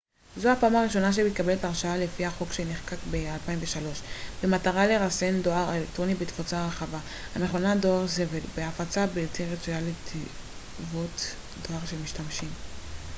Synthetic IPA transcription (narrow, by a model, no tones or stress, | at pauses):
zohapaːmaʁiʃo̞naʃ̬emit̪̚kabe̞letaʁʃaale̞fihaχo̞kʃeneχkakbealpaiɱve̞ʃalo̞ʃbemataʁale̞ʁase̞ndo̞aʁelekt̪ʁo̞nibet̪fot͡saʁaχava | hane̞χo̞nado̞aʁzeve̞lbeafat͡sabiltiʁet͡sujalet̪ʰi | vot̪ | do̞aʁʃelmiʃtamʃim